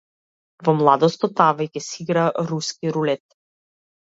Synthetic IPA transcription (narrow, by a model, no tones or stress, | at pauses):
vɔmlˠad̪ɔst̪ɔt̪avɛjkɛsiɡɾaɾuskiɾulɛt̪